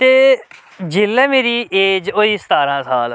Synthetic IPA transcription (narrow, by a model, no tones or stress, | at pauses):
t̪eː | d͡ʒɪlːɛːmeːɾiːʔeːd͡ʒoiːst̪aːɾãːsaːl